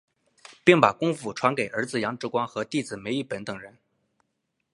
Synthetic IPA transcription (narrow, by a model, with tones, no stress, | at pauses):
pi˥˩ŋpa˨˩kʊ˥ŋfu˧˩ʈ͡ʂʰwa˧˥nke˨˩ɪʔə˞˧˥d͡zɹ̩˨˩jɑ˧˥ŋʈ͡ʂɻ̩˧˥kwɑ˥ŋxɤ˧˥t̪i˥˩d͡zɹ̩˨˩me˧˥ɪi˥˩pə˧˥nt̪ɤ˨˩ŋɻə˧˥n